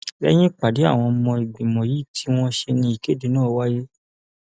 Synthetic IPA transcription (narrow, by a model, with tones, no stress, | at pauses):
lɛ̰˦j̃ĩ˦k͡pa˨di˨˦a̰˦˨w̃ɔ̃˧mɔ̃˧i˨ɡ͡bi˨mɔ̃˨ji˨˦˨tʰi˦w̃ɔ̃˦ʃe˧nĩ˧i˨ke˨˦de˨˦nãː˦˨˦wa˦je˦